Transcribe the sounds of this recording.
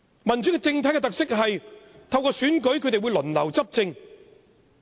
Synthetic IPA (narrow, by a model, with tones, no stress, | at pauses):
mɐ˨˩nt͡syː˨˥kɛ˧t͡sɪ˧ŋt̪ʰa˨˥jkɛ˧t̪ɐ˨k̚sɪ˥k̚ɦɐ˨jt̪ʰɐ˧wkɔː˧syː˨˥nkɵ˨˥ɥkʰɵ˨˧ɥt̪e˨jwu˨˧jlɵ˨˩nlɐ̰˨˩wt͡sɐ˥p̚t͡sɪ˧ŋ